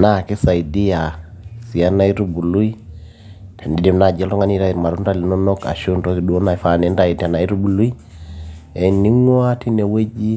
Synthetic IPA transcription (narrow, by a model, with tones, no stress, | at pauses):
na˦˨kɛ˦sa˨i˨di˦ja˨ | si˨a˦na˦i˦ɾu˦bu˨lu˦i˦ | tʰa˨ndi˨di˦mna˨d͡ʒɛ˦lɔ˦ŋa˦ni˦ɾa˦i˨ɾma˨ɾu˦nda˦li˨nɔ˦nɔ˦ka̰˨ʃu˦ndɔ˦ki˨du˨o˦na˨fa˨nɛ˨˦nda˦˨i˨ta˨na˨i˦ɾu˦bu˨lu˦i˦ | ɛ˨ni˦ŋwa˦ti˦nɛ˨we˦d͡ʒi˦